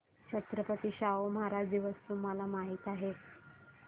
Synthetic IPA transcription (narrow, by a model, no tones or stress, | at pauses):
t͡ɕʰət̪ɾəpət̪iːɕaoməɦaɾad͡ʑd̪iʋəst̪uːmalamaɦiːt̪aɦe